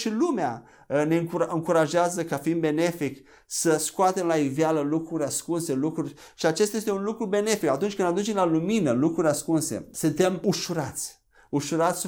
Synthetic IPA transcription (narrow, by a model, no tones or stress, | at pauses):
ʃilumea | əne̞ɨŋɨŋkuɾaʒeazəkafiinbe̞ne̞fik | səskoat̪emlaivjaləlukɾuɾʲaskunse̞lukɾurʲ | ʃiat͡ʃest̪ajest̪eunlukɾube̞ne̞fikat̪unt͡ʃkɨnd̪ad̪unt͡ʃemlaluminəlukɾuɾʲaskunse̞̰sɨnt̪e̞muʃuɾat̪sʲ | uʃuɾat̪sʲ